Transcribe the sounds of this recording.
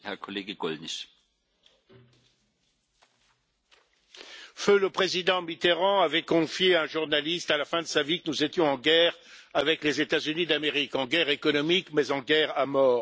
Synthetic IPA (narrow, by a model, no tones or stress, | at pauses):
hɛɐkʰɔleːɡəɡ̥ɔ̰lnɛs | føləpχezid̪ɑ̃mit̪eʁɑ̃avɛkɔ̃fjeɛ̃ʒuʁnalist̪alafɛ̃d̪əsavikənuzet̪jɔ̃ɑ̃ɡɛʁ | avɛklezet̪azynid̪ameʁikɑ̃ɡɛʁekɔnɔmikmɛzɑ̃ɡɛʁamɔːʁ